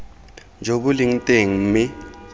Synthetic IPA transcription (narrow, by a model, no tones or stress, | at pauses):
nd͡ʒʱoɓuliŋ̩tʼeŋ̩mi